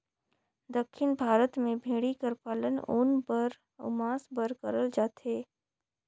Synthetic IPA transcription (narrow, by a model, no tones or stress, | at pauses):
d̪əkʰːɪnbʱaːɾət̪mẽbʱeːɽikəɾpaːlənʊ̰ːnbəɾ | ʊ̰maːsbəɾkəɾəld͡ʒaːt̪ɦeː